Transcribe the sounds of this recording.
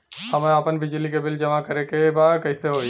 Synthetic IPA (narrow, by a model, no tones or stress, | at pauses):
həmẽəpənbɪd͡ʒlikebɪld͡ʒəmakəɾekebad̪kəɪseɦoi